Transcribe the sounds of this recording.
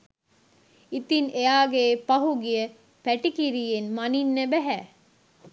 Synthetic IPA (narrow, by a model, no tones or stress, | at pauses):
it̪inejaːɡeːpɐɦuɡiə | pæʈikiɾijenmɐninːebæɦæː